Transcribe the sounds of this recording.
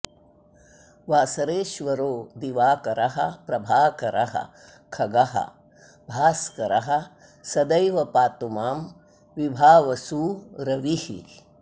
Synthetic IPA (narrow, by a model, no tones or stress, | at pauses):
ʋaːsɐɾeːʃʋɐɾoːd̪iʋaːkɐɾɐɦɐpɾɐbʱaːkɐɾʔɐ̰ɦɐ̰ | kʰɐɡɐɦɐ̰ | bʱaːskɐɾɐɦɐ | sɐd̪ɐjʋɐpaːt̪umaːm | ʋibʱaːʋɐsuːɾɐʋihḭ